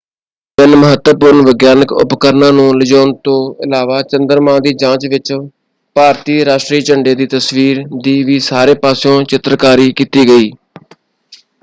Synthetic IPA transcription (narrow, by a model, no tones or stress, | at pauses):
pɪnməɦət̪wəpʊɾnʋəɡjaːnəkʊ̰pkəɾnãːnũːləd͡ʒoːnt̪õːɪlaːʋaːt͡ʃənd̪əɾmãːd̪iːd͡ʒãːt͡ʃʋɪt͡ʃ | paːɾt̪iːɾaːʃʈɾiːt͡ʃəɳɖeːd̪iːt̪əsʋiːɾd̪iːʋiːsaːɾeːpaːsjõːt͡ʃɪt̪ɾkaːɾiːkiːt̪iːɡəiː